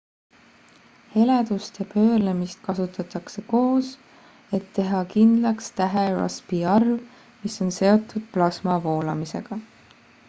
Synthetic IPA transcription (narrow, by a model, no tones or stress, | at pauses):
he̞led̪̥ust̪jɑpø̞ːlemist̪̚kɑsut̪ˑɑt̪ːˑɑkse̞ko̞ːs | e̞t̪ːe̞ɦɑkind̪̥lɑkst̪æɦeɾɑ̰spiɑrv | miso̞nse̞o̞t̪ːˑud̪̥̚plɑsmɑvo̞ːlɑmise̞̰ɡ̥ɑ